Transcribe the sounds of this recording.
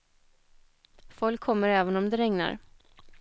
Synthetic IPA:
fɔlkʰːɔmːəɾɛːvənɔmd̪ɛɾɛŋna̰ɾ

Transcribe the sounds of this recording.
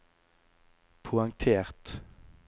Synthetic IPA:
pʰʊɑŋt̪ʰeːʁt̪

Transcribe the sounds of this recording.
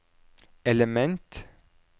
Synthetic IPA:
ɛləmɛnt̪

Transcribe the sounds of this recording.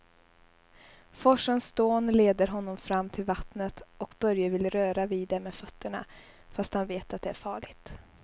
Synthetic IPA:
fɔʂənsd̪oːnleːd̪əɾɦɔnːɔmfɾamːt̪ʰɪlvat̪nət̪ʔɔkb̥œɾjəvɪlɾœːɾaviːd̪ɛmeːdfœt̪ʰːəɳa̰ | fast̪hanveːt̪at̪̚d̪ɛæɾfɑːɭɪɡt̪

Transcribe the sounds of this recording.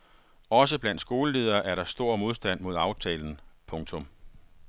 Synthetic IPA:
ɒ̽s̬əb̥læn̰d̥sɡ̥o̝ːləle̝ːð̞ˠɐːʔæɐɾɑ̈sd̥o̝ɐ̰mo̝ð̞ˠsd̥æn̰mo̝ð̞ˠɑ̈ʊt͡sʰɛ̰ːln̩pʰɔ̽ŋt͡sʰɔ̽m

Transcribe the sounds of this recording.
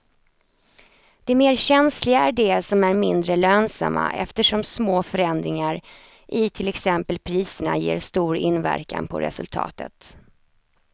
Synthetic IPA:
d̪̥ɛmeːɾɕɛnslɪɡaæɖɛsɔmæɾmɪnd̪ɾəløːnsa̰mːa̰ʔɛ̰ft̪əʂɔmsmoːfœɾɛnd̪ɾɪŋaɾ | ʔɪt̪ʰɪlɛksɛmpəlpʰɾiːsəɳa̰jeːɾst̪uːɾɪnvæ̰ɾka̰npʰɔ̰ɾɛ̰sɵlt̪ʰɑ̰ːt̪ʰə̰t̪

